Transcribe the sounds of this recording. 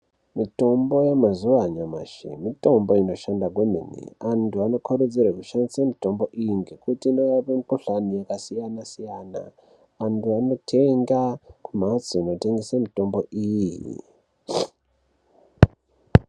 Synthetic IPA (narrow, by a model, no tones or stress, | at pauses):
mito̞mbo̞jemazuaɲama̰ʃḭmito̞mbo̞ino̞ʃandak̬wemḭnḭantʰuano̞kʰoɾud͡zirekuʃanisamito̞mbo̞ʔiiŋɡekutiːnojapemukuɬanijakasijanasijaːna̰ | antʰuano̞tʰeŋɡakum̤at͡siino̞te̞ŋɡesamito̞mbo̞ʔijḭ